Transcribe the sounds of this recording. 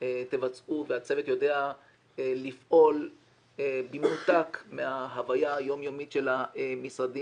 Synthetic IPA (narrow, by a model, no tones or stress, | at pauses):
t̪evat͡sʔuveat͡se̞vet̪jo̞deaː | ifʔo̞l | ebimutakmeaɦavajajo̞mjo̞mitʃe̞lamisʁadi